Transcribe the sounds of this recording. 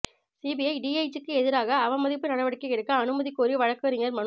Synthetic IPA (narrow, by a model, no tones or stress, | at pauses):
siːbɪjɐɪɖiːɐɪt͡ʃɯkːɯɛðɪɾaːɣɐːʋɐmɐðɪpːɯnɐɽɐʋɐɽɪkːɐɪɽɯkːɐːnɯmɐðikːoːɾiʋɐɻɐkːɯɐɾɪŋɡɐɾmɐn